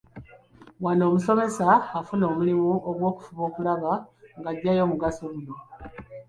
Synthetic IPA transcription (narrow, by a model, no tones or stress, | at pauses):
wano̞ːmuso̞me̞saːfuno̞ːmulimuoɡwo̞ːku̥fuβo̞ːkulaβaŋɡaɟːajo̞ːmuɡaso̞ɡuno